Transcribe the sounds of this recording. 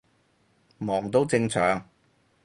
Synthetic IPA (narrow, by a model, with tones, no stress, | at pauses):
mɔː˨˩ŋt̪o˥wt͡sɪ˧ŋt͡sʰœː˨˥ŋ